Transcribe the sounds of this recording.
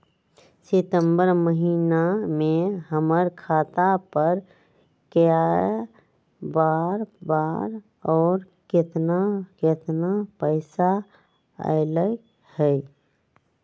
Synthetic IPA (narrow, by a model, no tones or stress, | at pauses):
sɪt̪ə̃mbəɾməɦiːnamẽɦəməɾkʰaːt̪apəɾ | ka | baːɾbaːɾ | ɔːɾ | kɪt̪nakɪt̪napəɪsa | ə̰ɪlə | hɛ